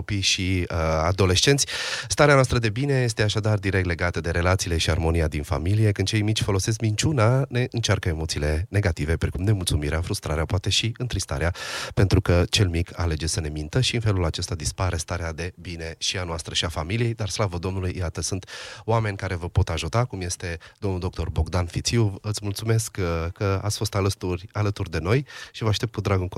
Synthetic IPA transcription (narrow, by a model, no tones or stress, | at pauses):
opijʃiəad̪o̞le̞ʃt͡ʃe̞nt̪sʲst̪aɾeanoast̪ɾəd̪e̞bine̞je̞s̬t̪e̞aʃad̪ard̪iɾek̚t̪le̞ɡat̪əd̪e̞ɾe̞lat̪siːle̞ʃiarmo̞nijad̪infa̰milije̞kɨnd̪t͡ʃe̞jmit͡ʃʲfo̞lo̞se̞s̬kmint͡ʃunane̞ʔɨnt͡ʃarkəemo̞t̪sile̞ne̞ɡat̪ive̞pɾekumne̞mult̪sumiɾeafɾust̪ɾaɾeapoat̪e̞ʃiɨnt̪ɾist̪a̰ɾeape̞nt̪ɾukət͡ʃe̞lmikʰale̞d͡ʒe̞səne̞mint̪əʃiɨnfe̞lulat͡ʃe̞st̪ad̪ispaɾe̞st̪aɾead̪e̞bine̞ʃianoast̪ɾəʃiafamilije̞jd̪arslavəd̪o̞mnulujjat̪əsunt̪oame̞nʲkaɾe̞vəpo̞t̪aʒut̪akumje̞st̪e̞d̪omnuld̪o̞k̚t̪o̞rbo̞ɡd̪anfit̪siuvɨt̪smult̪sume̞skkːəa̰t̪sʲfo̞st̪at̪urʲalət̪urd̪e̞no̞jʃivəaʃt̪ept̪kud̪ɾaɡunk